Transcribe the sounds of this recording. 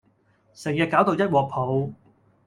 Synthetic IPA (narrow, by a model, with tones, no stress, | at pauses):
sɛ˨˩ŋjɐ˨t̚kaː˨˥wt̪o˨wjɐ˥t̚wɔː˨k̚pʰo˨˧w